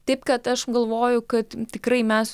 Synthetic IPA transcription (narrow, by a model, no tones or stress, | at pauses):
t̪ɐɪpkɐt̪ɐʃɡɐlˠʋoːjʊkɐt̪t̪ʲɪkɾɐɪmʲɛs